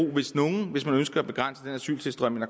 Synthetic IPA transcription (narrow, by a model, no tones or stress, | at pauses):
o̝̰ːʋe̝sno̝ːn̩ʋe̝smænønsɡ̥ɐæb̥e̝ɡ̥ʁan̰səd̥enæsy̰ːlsʰe̝sd̥ʁɶm̰enæ